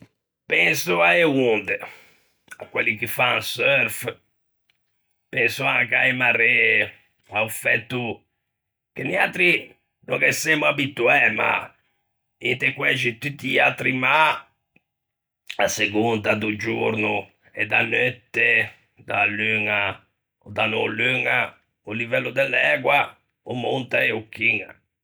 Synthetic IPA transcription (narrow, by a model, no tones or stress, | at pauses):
pɛnsuaeund̪e | a̰kwelːikifaŋsøɾf | pɛnsuakajmare | aufɛt̪ːu | keniat̪ɾi | no̰ŋkesɛmuabit̪ːuɛma̰ | int̪ekwɛt͡ʃit̪ːut̪ːia̰t̪ɾima | aseɡund̪ad̪ud͡ʒuɾnu | ɛd̪anøt̪ːe | d̪alyŋa | od̪anolyŋa | ulivɛlːud̪ɛlːɛːkwa | omːunt̪aeukːiŋa̰